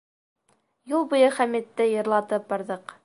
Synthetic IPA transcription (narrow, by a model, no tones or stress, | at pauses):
julˠbŭjɤχæmit̪ːɘjɤ̆ɾlˠɑt̪ɤp̚bɑɾðɤq